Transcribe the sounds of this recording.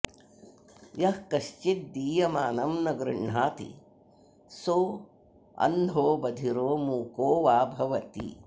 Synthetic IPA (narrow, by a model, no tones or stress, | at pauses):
jɐhkɐʃt͡ʃit̪̚d̪iːjɐmaːnɐmnɐɡɾɨɳɳaːt̪ḭ | soː | ɐ̰nd̪ʱoːbɐd̪ʱiɾoːmuːkoːʋaːbʱɐʋɐt̪ḭ